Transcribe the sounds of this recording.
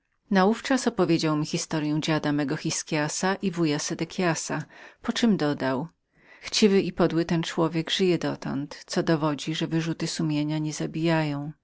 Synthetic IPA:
nauft͡ʂasɔpɔvʲjed͡ʑawmʲixʲist̪ɔɾjɛ̃w̃d͡ʑad̪amɛɡɔxʲiskʲjasaʔivujasɛd̪ɛkʲʰjasapɔt͡ʂɘmd̪ɔd̪aw | xt͡ɕivɘipɔd̪wɘt̪ɛnt͡ʂwɔvʲjɛɡʐɘjɛd̪ɔt̪ɔ̰nt̪t̪sɔd̪ɔvɔd͡ʑiʐɛvɘʐut̪ɘsumʲjeɲaɲɛzabʲijajɔ̃w̃

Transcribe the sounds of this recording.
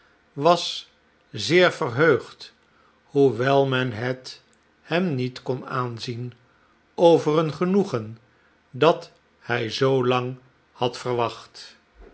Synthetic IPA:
ʋɑs | zɪːɹvərɦøɥχt | huʋɛlˠmɛnɦɛt | hɛmnitkɔnaːnzin | owvərənχənuχən | dɑt | hɛjzowlɑŋ | hɑtfərʋɑχt

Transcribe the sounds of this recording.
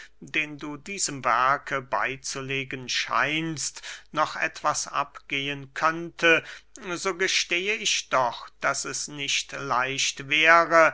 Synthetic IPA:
d̥eːnduːdiːzəmvɛɐkʰəba̰ɪt͡suleːɡənʃa̰ɪnstnɔχʔɛ̰tv̥asʔa̰pɡ̥eːənkʰœntʰəzoːɡəʃteːəɪçd̥ɔχd̥asɛsnɪçtlaɪçtv̥ɛːʁə

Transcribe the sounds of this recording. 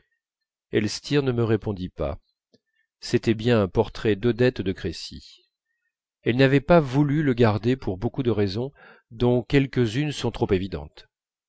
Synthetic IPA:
ɛlst̪ʰiʁnəməʁepɔ̃d̪ipa̰ | set̪ɛbjɛ̃ɛ̃pɔʁt̪χɛd̪ɔd̪ɛt̪d̪əkχesḭ | ɛlnavɛpavulyləɡaʁd̪epuʁbokud̪əʁɛzɔ̃ | d̪ɔ̃kʲɛlkʲəzynsɔ̃t̪χopevid̪ɑ̰̃t̪

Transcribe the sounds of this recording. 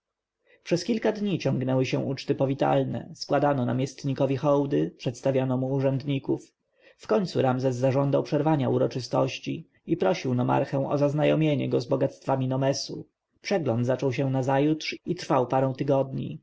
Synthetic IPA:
pʂɛskʲilkad̪ɲit͡ɕɔ̃ŋɡnɛwɘɕɛw̃ʔut͡ʂt̪ɘpɔvʲit̪a̰lnɛ̰skwad̪anɔna̰mʲjɛst̪ɲikɔvʲixɔwd̪ɘpʂɛt̪st̪avʲjanɔmuːʐɛnd̪ɲikuf | fkɔɲʲt̪suɾamzɛzːaʐɔnd̪awpʂɛɾvaɲauɾɔt͡ʂɘst̪ɔ̰ɕt͡ɕi | ipɾɔɕiwnɔma̰ɾxɛ̃w̃ɔ̰zaznajɔmʲjeɲɛ̰ɡɔzbɔɡat̪st̪famʲinɔmɛsu | pʂɛɡlɔnd̪zat͡ʂɔwɕɛ̃nazajut̪ʂit̪ɾfawpaɾɛ̃w̃t̪ɘɡɔd̪ɲḭ

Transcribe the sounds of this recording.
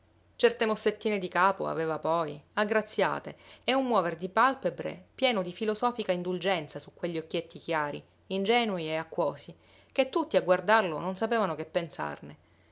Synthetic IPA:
t͡ʃɛrt̪emosːet̪ːiːned̪ikaːpo̰a̰veːvapɔjaɡːɾat̪sːja̰ːt̪eːumːwɔːverd̪ipalpebɾḛpjɛːnod̪ifilosɔːfikaind̪uld͡ʒɛnt̪sasukːweʎːiokːjet̪ːikjaːɾḭ | ind͡ʒɛːnuieakːwɔːsi | ket̪ːut̪ːiaɡward̪arlononsapeːvanokepːensa̰rne

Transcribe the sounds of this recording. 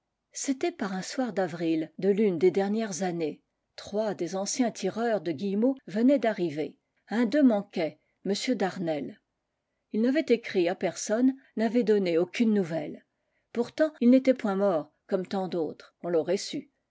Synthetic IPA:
set̪ɛpaʁɛ̃swaʁd̪avʁild̪əlynd̪ed̪ɛʁnjɛʁzane | t̪χwad̪ezɑ̃sjɛ̃t̪ʰiʁœʁd̪əɡʲijmovənɛd̪aʁive | ɛ̃d̪ømɑ̃kʲɛ | məsjød̪aʁnɛl | ilnavɛt̪ekχiapɛʁsɔnnavɛd̪ɔneokʲynːuvɛl | puʁt̪ɑ̃ilnet̪ɛpwɛ̃mɔʁ | kɔmt̪ɑ̃d̪oːt̪χɔ̃lɔʁɛsy

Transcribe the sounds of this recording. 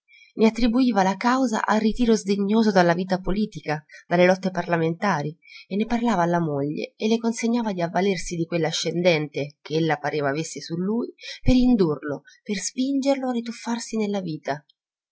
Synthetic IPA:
neat̪ːɾibuiːvalakawza̰ʔa̰lrit̪iːɾozd̪eɲːoːzod̪alːaviːt̪apoliːt̪ikad̪̥alːelɔt̪ːeparlament̪aːɾienːeparlaːvaːlːamoʎːḛelːekonseɲːaːvad̪iavːalersid̪ikwelːaːʃːend̪ɛnt̪ekeelːapaɾʔeːvaːvesːesulːuːjpeɾind̪urloperspind͡ʒerloarːit̪̬ufːarsinelːaviːt̪a

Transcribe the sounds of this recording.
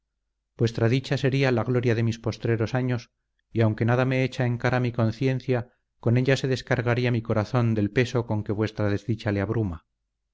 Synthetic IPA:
bwe̞st̪ɾaðit͡ʃase̞ɾialaɣlo̞ɾjaðe̞mispo̞st̪ɾe̞ɾo̞saɲos | iawŋke̞naðame̞et͡ʃae̞ŋkaɾamiko̞nθje̞n̟θja | ko̞ne̞ʎase̞ðe̞skaɾɣaɾiamiko̞ɾaθo̞nd̪e̞lpe̞so̞ko̞ŋke̞βwe̞st̪ɾaðe̞zðit͡ʃaleaβɾuma

